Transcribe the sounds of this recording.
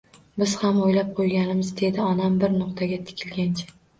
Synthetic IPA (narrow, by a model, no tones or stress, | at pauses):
bɪz̥hamojlap̚qʰojɡʲanɪmɪzd̪e̞d̪ɪɒnambɪɾnʊq̚t̪ʰaɡʲat̪ʰɪ̥kʲʰɪlɡʲant͡ʃʰḁ